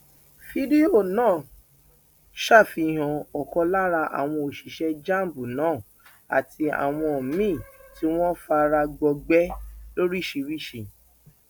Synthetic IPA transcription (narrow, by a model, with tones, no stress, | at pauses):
fi˦di˦o˦˨nãː˦˨ | ʃa˦˨fi˧˨ɦã˨ɔ˨kɔ˧la˦ɾa˧ʔa̰˨w̃ɔ̃˧o˨ʃi˨ʃɛ˧d͡ʒa˦˨m˨bu˨nãː˦˨ | a̰˨ti˧a̰˨w̃ɔ̃˧˨mĩ˦˨ti˦w̃ɔ̃˦fa˧ɾa˧ɡ͡bɔ˧ɡ͡bɛ˦lo˦ɾi˦˨ʃi˧ɾi˦˨ʃi˧˨